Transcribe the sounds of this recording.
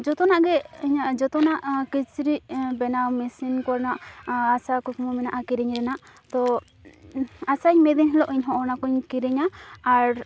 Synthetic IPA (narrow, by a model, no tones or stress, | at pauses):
d͡ʒɔt̪ɔnaʔɡɛiɲaʔd͡ʒɔt̪ɔnaʔkit͡ʃɾiʔbɛnawmisinkɔɾnaʔasakɔkʰmɔmɛnaʔakiɾɛɲɾɛnaʔ | t̪ɔ | asaɲmɛd̪iɲɦɛlɔʔiɲɦɔʔɔnakɔɲkiɾɛɲaːɾ